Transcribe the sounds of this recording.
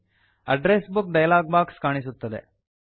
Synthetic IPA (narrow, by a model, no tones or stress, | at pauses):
ɐɖɾeːsbuk̚ɖɐjlaːɡ̚baːkskaːɳisut̪ːɐd̪ḛ